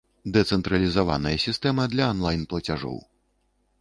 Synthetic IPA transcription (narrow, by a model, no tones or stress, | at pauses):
d̪ɛt̪sɛnt̪ɾɐlʲizava̰nɐjɐsʲist̪ɛmɐd̪lʲɐːnlˠajnplˠɐt͡sʲaʐɔ̰w